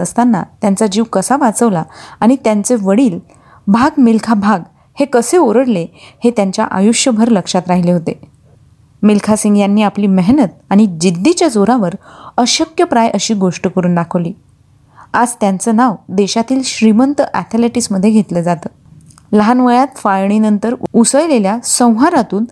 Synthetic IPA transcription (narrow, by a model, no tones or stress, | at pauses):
əst̪anːa̰t̪jant͡sad͡ʑiːʋkəsaʋat͡səʋlaːɽ̃it̪jant͡seʋəɽiːl | bʱaɡmilkʰabʱaɡ | hekəseoɾəɽlehet̪jaɲt͡ɕja̰ʔa̰juɕjəbʱəɾləkʂat̪ɾaɦileɦot̪e | milkʰasiŋɡjanːiːapliːməɦnət̪̚aɽ̃id͡ʑid̪ʱːit͡ɕjad͡zoɾaʋəɾəɕəkjəpɾajʔəɕiːɡoʂʈəkəɾuːnɖakʰəʋliː | ad͡zt̪jant͡səːnaʋd̪eɕat̪iːlɕɾimənt̪əʔæt̪ʰeleʈisməd̪ʱːjeɡʱet̪ləd͡zat̪əː | ləɦanʋəjat̪fajɳ̃inənt̪əɾusəjleljasə̃w̃ɦaɾat̪uːn